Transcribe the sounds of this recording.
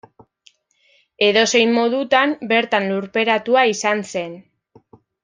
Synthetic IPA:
e̞ðo̞se̞jmmːo̞ðut̪ambe̞ɾt̪anluɾpe̞ɾat̪uaisanse̞n

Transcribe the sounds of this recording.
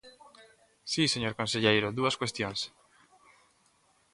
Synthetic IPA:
siseɲoɾkõnseʎejɾʊðuɐskwest̪jõŋs

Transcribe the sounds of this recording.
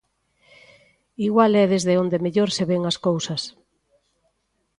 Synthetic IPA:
iɣwalɛðezðeond̪emeʎoɾseβeŋɐskowsɐs

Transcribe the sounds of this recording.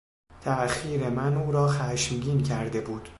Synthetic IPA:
t̪ʰæxiːɾemænuːɾɒːxæʃmɟiːncʰæɾd̪e̞buːd̪̥

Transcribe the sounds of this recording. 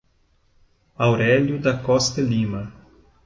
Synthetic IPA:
awɾɛʎjʊd̪ɐkɔst̪ɐlimɐ

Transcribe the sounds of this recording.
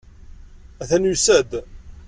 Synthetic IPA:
æθænjusæd̪

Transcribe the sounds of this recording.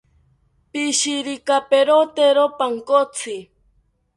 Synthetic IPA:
piʃiɾikapeɾot̪eɾopaŋkot͡sʰi

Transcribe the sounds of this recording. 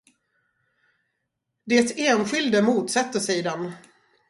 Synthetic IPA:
d̪ɛt̪eːnɧɪld̪əmuːt̪sɛt̪ːəʂɛːd̪ɛn

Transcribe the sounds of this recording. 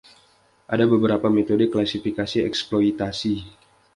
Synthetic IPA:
ʔadabəbəɾapamet̪odəklasifikasiɛ̰ksploit̪asi

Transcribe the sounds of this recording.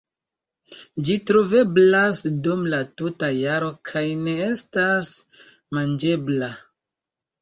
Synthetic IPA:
d͡ʒitɾove̞blasdumlatutajaɾo̞kʰajne̞e̞stas | mand͡ʒe̞bla

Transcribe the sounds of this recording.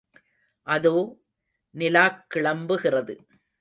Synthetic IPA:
ʔɐðoː | nɪlaːkːɪɭɐmbɯɣɪrɐðɯ

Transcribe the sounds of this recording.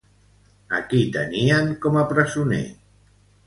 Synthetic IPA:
a̰kit̪əniaŋkɔmapɾəzunḛ

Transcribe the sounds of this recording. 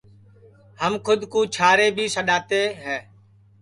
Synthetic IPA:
həmkʰʊd̪ʱkũːt͡ʃʰaːɾeːbʱiːsəɗaːt̪eːɦɛː

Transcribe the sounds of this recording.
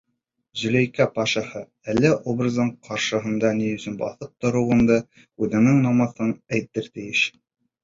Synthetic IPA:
zɵ̆læjkæpɑʃɑ̆hɤ | ælːæʔobrɤzd̪ɤɴqʰɑɾʃɤ̆ɦɤ̆nd̪ɑniɵ̆sɵnbɑ̰θɤp̚t̪ŏɾɤ̆wɤ̆nd̪ɤ | ʉðɘ̆ŋɘŋnɑmɑθɤnæjt̪ɘɾt̪ɘ̆jɘʃ

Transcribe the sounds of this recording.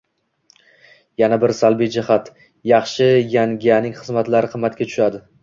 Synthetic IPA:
janabɪɾsalˠbijd͡ʒɪhat̪ | jɑχʃɪjaŋɡʲanɪŋχɨzmat̪laɾɪqʰɨmːat̪kʲat͡ʃ̪ʰʊ̥ʃad̪ɪ

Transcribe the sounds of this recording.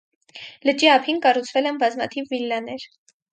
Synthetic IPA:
lət͡ʃiɑpʰinkɑrut͡sʰvɛlɛnbɑzmɑt̪ʰivːilːɑnɛɾ

